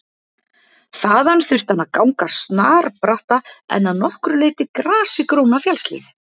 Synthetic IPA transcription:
θaːðanθʏr̥t̪anakawŋkast̪naːɾpɾaht̪aɛ̰nːaðnɔhkɾʏleːjt̪ɪkɾaːsɪkɾownafjɛlslḭːð

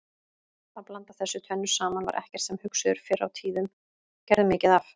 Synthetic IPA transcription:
θaðplant̪aθɛsːʏt̪ʰœnːʏ̥saːmanva̰ɾʔɛ̰hcɛɾ̥t̪sɛmhʏksʏðʏɾ̥fɪɾːa̰wt̪ʰiːðʏm | cɛɾðʏmɪːcɪðaf

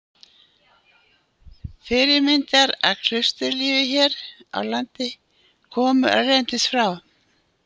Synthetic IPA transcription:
fɪɾɪɾmɪnt̪aɾa̰ðkʰɾ̥ʏst̪ʏliːvɪçɛːɾa̰wlant̪ɪ | kʰɔːmʏʔa̰ðrejnt̪ɪsfɾaw

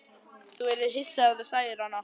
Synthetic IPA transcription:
θuɛɾɪðɦɪsːaaθusaːjɪɾhanːa

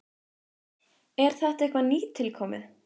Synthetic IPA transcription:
ɛɾ̥θɛht̪ɛhkvaniːt̪ʰɪlkʰɔːmɪ

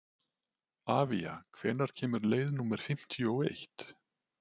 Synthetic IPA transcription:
aːvia̰kʰvɛːnaɾ̥cʰɛːmʏɾleːjðnuːmɛɾ̥fɪm̥t̪ʰjɔwejht̪

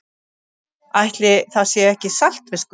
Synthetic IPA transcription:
ajht̪lɪθaðsjɛɛhcɪsal̥t̪vɪsk

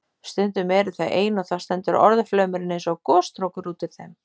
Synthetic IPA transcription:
st̪ʏnt̪ʏmɛːɾɪ̥θajʔeːjnɔθḁst̪ɛnt̪ʏɾʔɔ̰ɾðflœːɥmɪɾɪnejnsɔɣkɔːst̪ɾowkʏɾuːt̪ɪɾθɛm

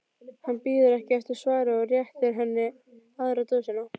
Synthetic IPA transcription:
hanpiːðʏɾɛhcɪɛst̪ʏ̥svaːɾɪɔrjɛht̪ɪɾɦɛnːɪ | aðɾat̪osɛna

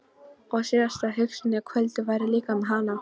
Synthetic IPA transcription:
ɔɣsiːðast̪aɦʏksɪnɪkʰvœlt̪ʏvajɾɪliːkamɛðɦana

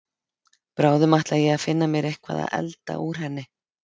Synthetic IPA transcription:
pɾaːwðʏmaht̪lajɛɣaðfɪnːamjɛɾehkʰva̰ða̰ðɛ̰lt̪a̰ʔuɾ̥ɦɛnːɪ

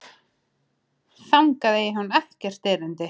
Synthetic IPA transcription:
θawŋkaðeːjɪɦanːɛhcɛr̥t̪eːɾʏnt̪ɪ

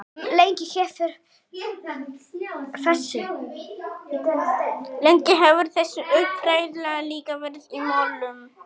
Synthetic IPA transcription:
lejɲcɪçɛːfʏɾ̥ | fɛsːɪ | leɲcɪɦɛvʏɾ̥θɛsːʏʔʏhpfɾaːjðlɛɣaliːkavɛɾðimaːwlʏm

